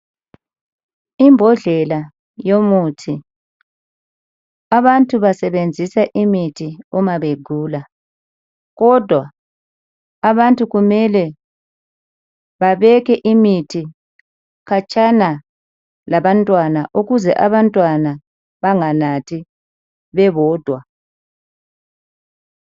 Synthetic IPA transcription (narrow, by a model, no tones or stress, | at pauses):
imbʱɔɮɛla | jomutʰi | aβantʼuβasɛβend͡zʱisaʔimitʰiumaβeɡ̥ʱuːla | ɣɔd̥ʱwa | βantʼuɣumɛlɛ | βaβɛkɛʔimitʰi | ɣat͡ʃʼana | laβantʼwanaʔuɣuzɛʔaβantʼwana | βaŋanatʰi | βɛβɔːd̥ʱwa